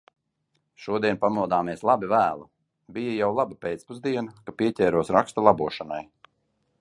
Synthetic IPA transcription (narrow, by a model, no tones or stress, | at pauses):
ʃuɔd̪iɛnpamuɔd̪aːmiɛslˠabivæːlˠa | bijajawlˠabapʲɛt̪spuzd̪iɛnakapiɛtʲɛːɾuɔsɾakst̪alˠabuɔʃanaj